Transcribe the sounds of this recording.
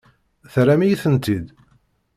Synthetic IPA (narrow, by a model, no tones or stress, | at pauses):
θɾæmijiθənt̪id̪